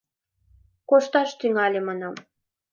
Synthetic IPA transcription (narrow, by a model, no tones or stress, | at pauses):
koʃt̪ɑʃt̪yŋɑlʲemɑnɑm